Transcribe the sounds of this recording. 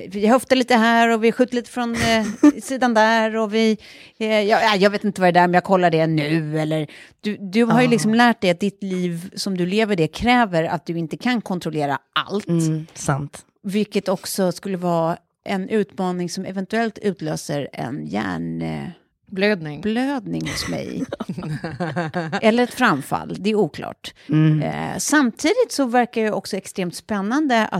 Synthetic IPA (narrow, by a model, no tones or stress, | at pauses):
vɪhœft̪aɭiːt̪əɦæːɾɔvɪɧʉ̟t̪ːaliːt̪ə̥fɾɔnsiːd̪and̪æɾɔvɪ | jɑajɑɡveːt̪ɪnt̪əvaɾɛd̪æːɾmɛmjɑːɡ̚kʰɔlːaɖɛnʉ̟ːɛlːəɾd̪̥ɵd̪ɵɦaɾjɵlɪksɔmlæːʈ̚d̪ɛjat̪̚d̪ɪt̪liːvsɔmd̪ɵleːvəɖɛkʰɾɛːvəɾa̰t̪̚d̪ɵɪnt̪əkʰankʰɔnt̪ɾɔleːɾa̰ʔa̰lt̪sant̪ | vɪlkːət̪ɔksɔskɵlːəvɑː | ʔɛnʉ̟ːt̪mɑːnɪŋsɔmɛvɛnt̪ɵɛlt̪ʰʉ̟ːt̪ʰløːsəɾɛ̰njæ̰ːɳ | blød̪nɪŋbløːd̪̚nɪŋhʊsmɛ̰j | ɛlːəɾɛt̪fɾamfa̰lːd̪ɛæɾuːkʰlɑ̰ːʈ | samt̪ʰiːd̪ɪt̪sɔvæɾkaɛjɛʔɔksɔɛkst̪ɾeːmt̪spɛnːand̪əa̰